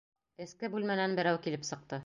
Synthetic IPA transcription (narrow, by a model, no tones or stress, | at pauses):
ɘ̆skɘbʉlmænænbɘ̆ɾæwkilɘpsɤ̆q̚t̪ɤ